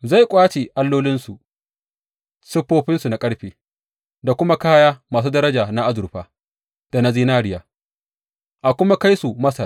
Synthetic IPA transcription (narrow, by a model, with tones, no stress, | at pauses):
za˦˨jkʷʼaː˦t͡ʃe˨ʔa˦lːoː˦lɪ˦nsu˨ʔ | sɪ˦ɸːoː˦ɸɪ˦nsu˨na˨kʼɐ˦ɽɸeː˨ | da˨kʷʊ˦ma˦kaː˦jaː˦maː˨s̬uː˦dɐ˦ɾɐ˦d͡ʒaː˨na˦ʔa˦zʊ˨ɾɸaː˨ | d̥a˨na˦ziː˦naː˦ɽɪ˨jaː˨ | ʔa˨kʷʊ˦ma˦ka˦jsu˨mɐ˦sa˨